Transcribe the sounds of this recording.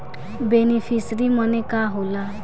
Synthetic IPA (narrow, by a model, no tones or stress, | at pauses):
beːnipʰisɾimənẽkaːɦoːla